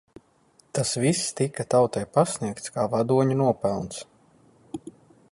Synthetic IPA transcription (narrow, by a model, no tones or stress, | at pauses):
t̪asvist̪ikat̪awt̪ajpasʲniɛkt̪skaːvad̪uɔɲunuɔpɛlˠnt̪s